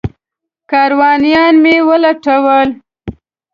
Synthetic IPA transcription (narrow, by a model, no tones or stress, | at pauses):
kɑɾwɑnijɑnmewəlaʈawəl